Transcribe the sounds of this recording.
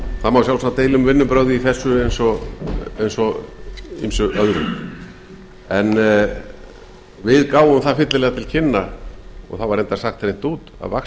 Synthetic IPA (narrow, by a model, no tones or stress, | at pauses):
θamawsjawlsat̪ejlʏmvɪnːʏpɾœɣðɪiθɛsːʏejnsɔ | ejnsɔ | ḭmsʏœðɾʏ̰m | ɛn | vɪðkaːwʏmθaðfɪht̪lɪlɛːɣat̪ʰɪlcʰɪnːaɔ̰ɣθawvaɾejnt̪aɾ̥saxt̪ɾejn̥t̪uːt̪a̰ðva̰k